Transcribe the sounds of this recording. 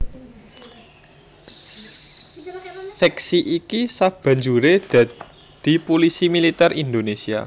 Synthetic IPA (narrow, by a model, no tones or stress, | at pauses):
sɛksiʔikisab̥a̤ɲd͡ʒuɾed̪̥a̤ | d̪̥i̤polisimilit̪ɛrʔind̪onesia̰